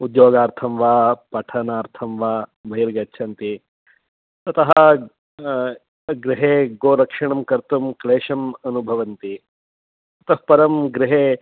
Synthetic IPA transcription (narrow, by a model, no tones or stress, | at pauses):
ud̪joːɡaːɾt̪ʰɐmʋaːpɐʈʰɐnaːɾt̪ʰɐmʋaːbɐɦiɾɡɐtːt͡ʃʰɐnt̪i | t̪ɐt̪ɐɦɐ | ɡɾiɦeːɡoːɾɐkʂɐɳ̃ɐmkɐɾt̪umkleːʃɐmɐnubʱɐʋɐnt̪i | t̪ɐt̪ɐɦɐpɐɾɐmɡɾɪɦeː